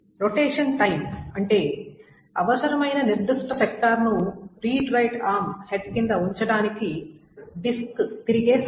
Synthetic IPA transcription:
ɾoʈeːʂɐnʈɐjmɐɳʈe̞ː | ɐʋɐsɐɾɐmɐjnɐniɾd̪uʂʈɐʃɐk̚ʈ̪aːɾnuɾiːʈɾɐjʈaːmheɖ̚kind̪ɐuɲt͡ʃɐɽaːnikiɖiskt̪iɾiɡe̞ː

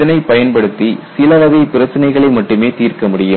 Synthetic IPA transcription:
ɐnɐɪpɐjɐnpɐɽɯt̪ːisɪlɐʋɐɣɐɪpɪɾɐt͡ʃːɐnɐɪɣɐɭɐɪmɐʈːɯmeːt̪iːrkɐmʊɽɪjɯ

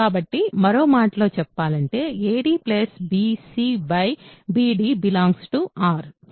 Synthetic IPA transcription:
aːbɐʈːimɐɾo̞ːmaːʈɐlo̞ːt͡ʃɛpːaːlɐɳʈe̞ːeːɖiːplesbiːsiːbɐjbiːɖiːbilaːŋɡsʈuaːɾ

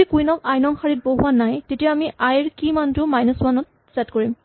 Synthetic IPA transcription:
ikujnɔkajnɔŋxaɹit̚boɦuanajtetijaamiʔajɹkimantʊmajnɔsmanɔt̚ | sɛtkoɹim

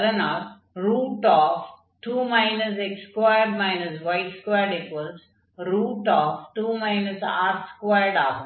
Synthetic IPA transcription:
d̪ənaːɾ | ɾuːʈɔːf | ʈuːmãɪnəsekskʋaɪəɾɖmaɪnəsʋaɪʈskʋajɖɪkʋəls | ɾuːʈɔːfʈuːmãɪnəsa̰ːɾskʋaɪəɾɖaːpə̃

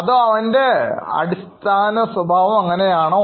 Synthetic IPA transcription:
ɐðoːɐʋɐnde̞ɐ̰ɽist̪ʰaːnɐswɐbʱaːʋɐmɐŋːɐne̞jaːɳo

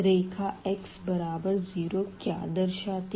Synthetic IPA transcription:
ɾeːkʰaɛksbɐɾaːbəɾziːɾoːkja̰ːd̪ɐɾʃaːt̪

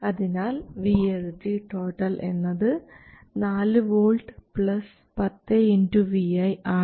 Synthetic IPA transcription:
ɐðinaːlʋield͡ʑiʈo̞ːʈːɐlʔe̞̰nːɐðɨ | naːlɨʋoːɭɖɨpɭɐs | pɐt̪ːeinduʋiɐjaː

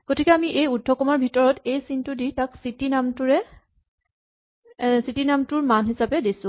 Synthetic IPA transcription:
ɡ̥otʰikɛamiʔejudʱːɔkɔmɔɹbʱitɔɹɔtejsintuditaksitinamtʊɹɛ | sitinamtʊɹmanɦisapɛdisʊ̃

